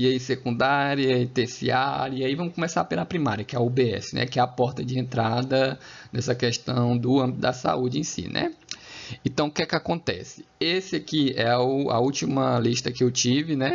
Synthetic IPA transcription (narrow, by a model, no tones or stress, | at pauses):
iɐisekũnd̪aɾjɐɐit̪esḭaɾiaivɐ̃mʊskõmesaɾpelɐpɾimaɾiɐkɪɛubeɛ̰sɪnɛ̰kɪɛɐpɔɾt̪ɐd͡ʒɪẽnt̪ɾad̪ɐnɛsɐkɛʃt̪ɐ̃w̃d̪ʊɐ̃bit̪d̪ɐsa̰ud͡ʒɪẽj̃sḭnʔɛ̰ | ẽt̪ɐ̃w̃kɛkɪakõnt̪ɛ̰sɪ̥esɪakiɛʊɐ̰ut͡ʃimɐliʃt̪ɐkɪewt͡ʃivɪnɛ